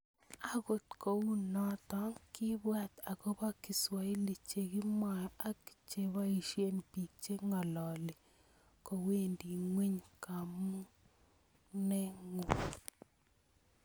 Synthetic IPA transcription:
a˦˨ɡo˨t̪̚ko˨wu˦nɔ˦tɔ˨˦ŋkɪ˦bwa˦t̪a˨ɡo˦ba˦ki˨swa˨i˦li˨t͡ʃe˨ɡi˦ma˨ja˦ki̥˨t͡ʃe˦βa˦i˨ʃje˦npi˨k̚t͡ʃe˦ŋɔ˨lɔ˨lɪ˨ | kɔ˨we˦˨ndi˨ŋwe˦ɲka˨mu˦ | nɛ˦ŋo˨

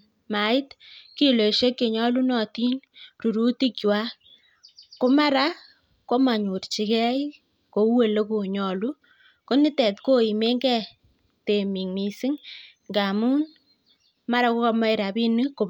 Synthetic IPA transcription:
ma˨ɪ˦tki˦lo˨ʃe˦kːe˨ɲɔ˦lu˦nɔ˨ti˦nru˨ɾu˦ti˦kwa˦ | ko˦ma˦ɾa˦ | ko˦ma˨ɲu˨rt͡ʃi˨kɛ˦i | ko˨˦we˨le˦ku˨ɲɔ˨lu˦ | ko˦nɪ˦tɛ˨tko˦i˨me˦ŋɡɛ˦ | te˨mi˨ŋmi˨si˦ŋ | ŋɡa˨mu˦n | ma˦ɾa˦ko˦kɔ˧ma˦ɪ˨ɾa˨bi˦nɨ˦ko˨

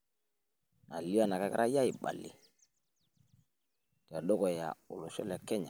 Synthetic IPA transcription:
na˨li˦a˦˨na˨ka˦ka̰˦ɾʔa˦ja˦i˨ɓa̰˨lḭ˨ | ta˨ɗɔ˦kɔ˨ja̰˨ʊ˨lɔ˨ʃɔ̰˦la˨kɛ˦ɲa˨

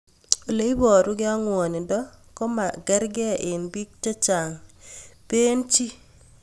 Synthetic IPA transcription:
o˨le˦i˦bɔ˨ɾʊ˦ɡɪ˦a˦ŋwɔ˨nɪ˨dɔ˦kɔ˦ma˨ɡɛ˦ɾɡɪ˦a˨ʔɪ˨nbi˦k̚te˦t͡ʃa˨ŋpe˦nt͡ʃi˦

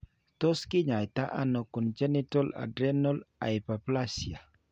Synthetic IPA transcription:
t̪ɔ˦skɪ˦ɲa˨jt̪a̰˦ʔa̰nɔ˨kɔ˨nd͡ʒɛ˦nitɔ˦la̰˨dɾɛnɔ˦la̰˨ipa˨plasia˨

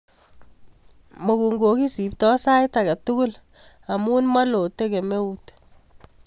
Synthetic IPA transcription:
mo˨ku˨ŋɡo˨ki˦si˨p̚tɔ˦sa˦jta˨ka˨tu˦ku˦l | a˨mu˦nma˦lo˨te˦ke˨me˦ut

